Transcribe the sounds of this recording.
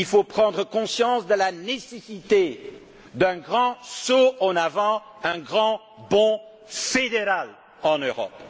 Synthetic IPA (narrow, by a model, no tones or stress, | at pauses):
ilfopχɑ̃d̪ʁəkɔ̃sjɑ̃sd̪əlanesesit̪e | d̪ɛ̃ɡʁɑ̃soɑ̃navɑ̃ | ɛ̃ɡʁɑ̃ | bɔ̃ | fed̪eʁal | ɑ̃nøʁɔ̰p